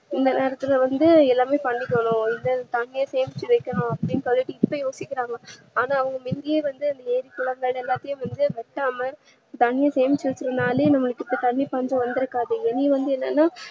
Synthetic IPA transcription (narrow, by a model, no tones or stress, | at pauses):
ɪnd̪ɐneːɾɐt̪ːɪlɐʋɐnd̪ɯɛlːaːmeːpɐɳːɪkːɐɳʊ̃ɪnd̪ɐt̪ɐɳːɪjɐseːmɪt͡ʃːɪʋɐkːɐnʊ̃ɐpːɐɽɪnkɐɭɪʈːiɪpːɐjoːsɪkːɪɾaːŋɡɐ | aːnaːʋɐŋɡɐmɪnd̪ɪjeːʋɐnd̪ɯɪnd̪ɐeːɾikːʊɭɐŋɡɐɭɛlːaːt̪ːɐjʊ̃ʋɐnd̪ɯʋɛʈːaːmɐ | t̪ɐɳːɪjɐseːɐmɪt͡ʃːɯʋɐt͡ʃːɪɾɯnd̪aːleːnɐmːɐɭɯkːɪpːɐt̪ɐɳːipɐɲd͡ʒʊ̃ʋɐnd̪ɪɾɯkːaːðɯŋɡɐniʋɐnd̪ɯɛnːɐnːaː